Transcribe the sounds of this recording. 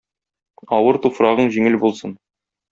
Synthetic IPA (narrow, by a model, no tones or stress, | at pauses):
ɒwɤɾt̪ufɾɑʁɤɴʑiŋɘlbulˠsɤn